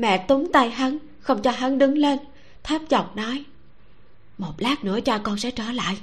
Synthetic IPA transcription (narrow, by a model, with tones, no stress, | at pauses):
mɛ̰˧˨t̪u˨˦ŋ͡mt̪a˧jɦa˨˦n | xə˧wŋ͡mt͡ɕɔ˧ɦa˨˦ŋɗɨ˨˦ŋle˧n | t̪ʰaː˦˥p̚t͡ɕɔ̰˨˩wŋ͡m̚nɔ˨˦j | mo˨˩t̚laː˦˥k̚nɨ̰˧˥ət͡ɕaː˧kɔ˧nsɛ̰˧˥t͡ɕəː˧˩la̰ː˧˨j